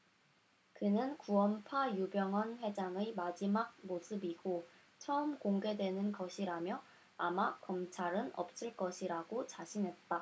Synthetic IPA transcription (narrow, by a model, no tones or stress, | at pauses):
kɯnɯnkuʌmpʰajubjʌŋɦʌnɸwe̞d͡ʑaŋɯmad͡ʑimaɡ̚mosʰɯbiɡo | t͡ɕʰʌɯmkoŋɡe̞dwe̞nɯnɡʌɕʰiɾamjʌ | amakʌmt͡ɕʰaɾɯnʌ̰p̚s͈ɯɭk͈ʌɕʰiɾaɡot͡ɕaɕʰinɦe̞t̚t͈a